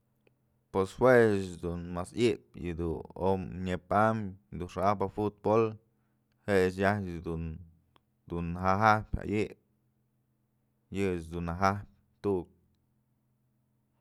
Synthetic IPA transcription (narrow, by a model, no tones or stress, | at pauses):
peshwet͡ʃd̪unmasiʔp̚jɨd̪uo̰mɲepamd̪unʂaahpafut̪̚bol | heʔt͡ʃ̬jahd̪u | d̪unaɦaɦahpʲa̰ʔiʔp̚ʲ | jɨet͡ʃd̪unaɦahp̚ʲ | t̪uʔuk̚